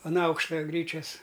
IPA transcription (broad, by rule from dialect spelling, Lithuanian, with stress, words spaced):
ɐn ˈɐʊkʃtɐ ˈɡrʲiːt͡ʃʲɛs